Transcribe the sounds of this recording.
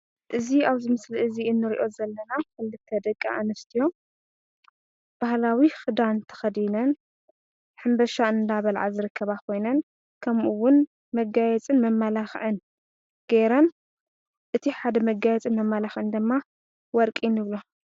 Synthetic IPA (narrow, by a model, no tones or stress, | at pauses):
ʔɨziaβzɨmɨsliʔɨziɨnːɨɾiʔo̞zɐlːɐnakɨlːɨt̪ʰːɐd̪ɐkʼːa̰ʔanɐst̪ʰijo̞ | b̥ahlawixɨd̪ant̪ʰɐ̥xɐd̪inɐn | ħɨmbɐʃaɨnd̪aβɐlʕa̰zɨɾɨkʰːɐβakʰo̞jnɐn | kʰɐmʔuwʊn | mɐɡajɛt͡sʼɨnmɐmːalaxʕɨn | ɡ̥eɾɐn | ʔɨt̪ʰiħad̪ɐmɐɡajɛt͡sʼɨnmɐmːalaxʔɨnd̪ɨmːa | wɔɾkʼinɨβlo